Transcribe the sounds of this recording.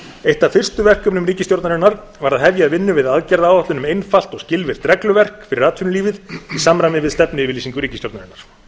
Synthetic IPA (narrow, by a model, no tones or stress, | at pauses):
ejht̪afɪr̥st̪ʏvɛr̥kʏpnʏmɾiːcɪst̪jowɾt̪naɾɪnːaɾ | vaɾaðhɦɛvjaːðvɪnːʏvɪðaðcɛɾðaaːwat̪lʏnʏmejnfal̥t̪ɔɣscɪlvɪɾ̥t̪ɾɛklʏvɛr̥kfɪɾɪraːt̪ʰʏnʏliːvɪðisamɾajmɪvɪðst̪ɛpnɪvɪliːsiŋkʏɾiːcɪst̪jowt̪naɾɪnːaɾ̥